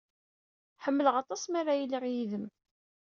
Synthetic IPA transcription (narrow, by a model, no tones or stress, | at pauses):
ħəmːələʁɑt̪ˤɑsˤmaɾajilːiʁjiðəm